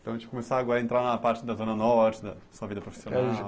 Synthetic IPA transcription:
t̪ɐ̃w̃t̪ikumesaɾɐɡɔɾɐẽnt̪ɾaɾnɐpaɾt͡ʃid̪ɐzonɐnɔɾt͡ʃd̪ɐsɐvid̪ɐpɾufi̥sijona

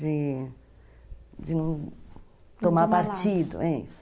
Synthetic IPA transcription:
d͡ʒɪ | d͡ʒɪnɐ̃w̃ | t̪omaɾpaɾt͡ʃid̪ʊ̰ɛḭs

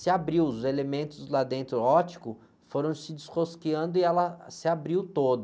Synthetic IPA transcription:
sɪabɾiwzelemẽnt̪ʊzlad̪ẽnt̪ɾʊɔt͡ʃi̥kʊ | foɾɐ̃w̃sɪd͡ʒɪsχoskiɐ̃nd̪ʊɪɛlɐsɪabɾiwt̪od̪ʊ

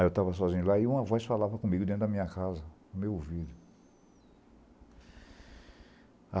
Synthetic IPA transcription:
ewt̪avɐsɔzĩɲʊlaiũmɐvɔjsfalavɐkõmĩɡʊd̪ẽt̪ʊd̪ɐmĩɲɐkazɐ | ʊmewvid̪ʊ | a

